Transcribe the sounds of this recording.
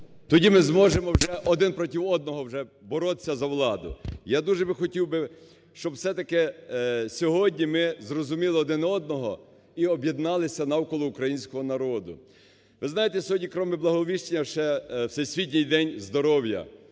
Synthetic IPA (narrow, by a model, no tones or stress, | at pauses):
t̪ɔdʲimɪzmɔʒemɔwʒɛʔɔd̪ɪnpɾɔtʲiwɔd̪̚nɔɦɔwʒɛbɔɾɔt̪ɪ̥sʲːɐzɐwlˠɑd̪ʊ̰jad̪uʒɛbɪxɔtʲiwbɪ | ʃt͡ʃɔbwsɛt̪ɐkɪsʲɔɦɔdʲnʲimɪzɾɔzʊmʲilˠɪɔd̪ɪnɔd̪̚nɔɦɔ | iɔbjed̪nɑlˠɪsʲɐnɐwkɔlˠɔukɾɐjinʲsʲkɔɦɔnɐɾɔd̪ʊ̰ | ʋɪznɑjet̪ɛsʲɦɔdʲnʲikɾɔmɪblˠɐɦɔʋʲiʃt͡ʃenʲːɐʃɛwsɛjsʲʋʲit̬̚ʲnʲijd̪ɛnʲzd̪ɔɾɔwjɐ̰